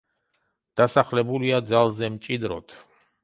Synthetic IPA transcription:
d̪̥asaχlɛbuliad̪zalˠzɛmt͡ʃʼid̪ɾɔ̰t̪ʰ

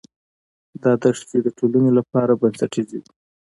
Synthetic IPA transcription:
d̪ɑd̪aʂt͡ʃed̪əʈʰolanolapɑɾabansaʈizidi

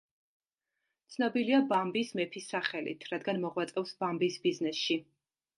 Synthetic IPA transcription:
t̪sʰnɔbiliabambismɛpʰisaχɛlḭt̪ʰɾad̪ɡanmɔʁwat̪sʼɛfsbambisbiznɛsʃi

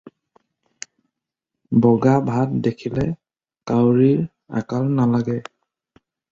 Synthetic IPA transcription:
bɔɡabʱat̚dekʰilɛ | kawɹiɹ | a̰kalnalaɡɛ

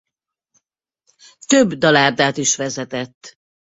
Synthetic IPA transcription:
t̪øbd̪ɒlaːrd̪aːt̪iʃʋɛzɛt̪ɛt̪ː

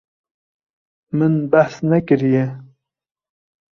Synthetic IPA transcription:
mɨnbæħsnɛkɨɾijɛ

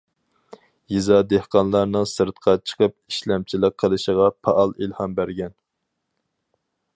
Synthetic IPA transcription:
jizɑd̪ehqɑnlˠɑɾnɨŋsɨɾt̪qʰɑt͡ʃʰə̥qʰəp̚iʃlɛmt͡ʃʰilˠəq̚qʰːəlˠɨʃəʁɑpʰɑʔɑlˠilhɑmbæɾɡʲɛn

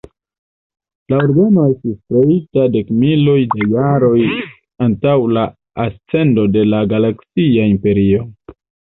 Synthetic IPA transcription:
laoɾɡano̞e̞stiskɾeitade̞kmilojdajaɾo̞j | antawla | ast͡se̞ndo̞de̞laɡalaksiaimpe̞ɾio̞

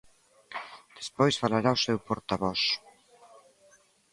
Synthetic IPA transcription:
d̪̥espojsfalaɾausewpoɾt̪aβɔs

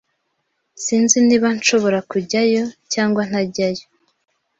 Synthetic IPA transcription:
siːnziniːβant͡ʃo̞βo̞ɾakuɟajo̞caːŋɡwan̥haɟajo

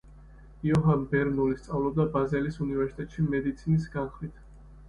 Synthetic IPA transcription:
iɔɦanbɛɾnɔlist̪sʼavlˠɔb̚d̪abazɛlisunivɛɾsi̥t̪ʼɛt̪ʼʃimɛd̪it̪sʰinis̬ɡanχwit̪ʰ

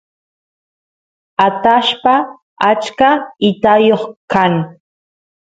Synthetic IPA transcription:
at̪aʃpa | at͡ʃkaɪt̪ajoχkaŋ

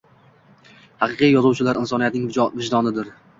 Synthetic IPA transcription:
hɑqʰɨqijjɒzuwt͡ʃʰɪlaɾɪnsɒnijat̪̚nɪŋvɪd͡ʒd̪ɒnɪd̪ɪɾ

